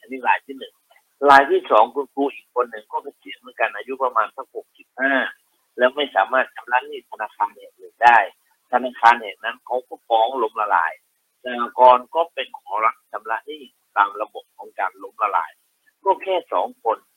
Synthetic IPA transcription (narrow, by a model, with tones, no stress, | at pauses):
ʔa˧niː˥˩laː˨˦jt̪ʰiː˥˩nɯ˨˩ŋ | laː˨˩˦jt̪ʰiː˥˩sɔː˩˦ŋkʰo˧nkʰuː˧ʔiː˨˩kʰːo˧nːɯ˨˩ŋkɔː˥˩bɛ˧˩si˨˦əmɯ˩˦nka˧nʔaː˧ju˦˥pa˧maː˧nsa˦˥˩w̚ho˨˩k̚si˨˩p̚haː˥˩ | lɛː˦˥wma˥˩jsaː˩˦maː˥˩t̪̚t͡ɕʰa˧mla˦˧˥niː˥˩t̪ʰa˧naː˧kʰaː˧nhɛː˨˩k̚nɯ˨˩ŋdaː˥˩j | t̪ʰa˧naː˧kʰaː˧nhɛː˨˩k̚na˦˥nkʰa˦˥wkɔː˥˩fɔː˧˩ŋlo˧mla˧la̰ː˨˦j | sa˧a˧kɔː˧nkɔː˥˩pe˧nkʰɔː˨˩˦ɾa˦˥t̪̚t͡ɕʰa˧mla˦˧˥niː˥˩ | t̪aː˧mla˧bo˨˩p̚kʰɔː˨˦ŋkaː˧nlo˧mla˧la̰ː˨˦j | kɔː˥˩kʰɛː˥˩sɔː˩˦ŋkʰo˧n